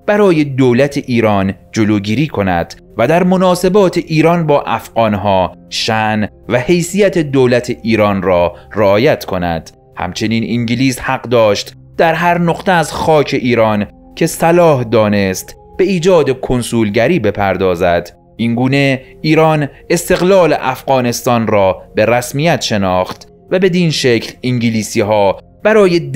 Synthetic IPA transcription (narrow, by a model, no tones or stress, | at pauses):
b̥æɾɒːje̞d̪oːlæt̪ʰeʔiːɾɒːnd͡ʒoloːɟiːɾiːkʰo̞næ̰d̪̥ | væd̪æɾmo̞nɒːse̞bɒːt̪ʰe̞ʔiːɾɒːnbɒːʔæfɢɒːnɦɒːʃæn | væhe̞jsijæt̪ʰe̞d̪owlæt̪ʰeʔiːɾɒːnrɒːreɒːjæt̪ʰkʰo̞næ̰d̪̥ | hæ̰mt͡ʃʰe̞niːniŋɟiliːshæɢd̪ɒːʃt̪ | d̪̥æɾɦæɾnoqt̪ʰeæzxɒːcʰe̞ʔiːɾɒːn | cʰe̞sælɒːhd̪ɒːnest̪ | b̥e̞iːd͡ʒɒːd̪e̞kʰo̞nsuːlɟæɾiːbe̞pʰæɾd̪ɒːzæd̪̥ | ʔiŋɡuːne̞ | iːɾɒːn | e̞st̪e̞ɣlɒːlḛʔæfɣɒːne̞st̪ɒːnrɒːbe̞ɾæsmijæt̪ʃe̞nɒːxt̪ | væbe̞d̪iːnʃecʰliŋɟiliːsiːɦɒː | b̥æɾɒːje